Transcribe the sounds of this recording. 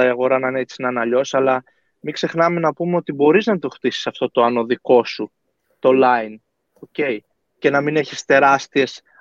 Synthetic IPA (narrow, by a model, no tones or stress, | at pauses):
ɐiɐɣo̞ɾɐnɐnet͡sinɐnɐʎo̞sɐlɐ | mikse̞xnɐme̞nɐpume̞o̞t̪ibo̞ɾiznɐt̪o̞xt̪isi̥sɐft̪o̞t̪o̞ɐno̞ðiko̞su | t̪olɐin | oce̞j | ce̞nɐmine̞çist̪e̞ɾɐst̪ie̞s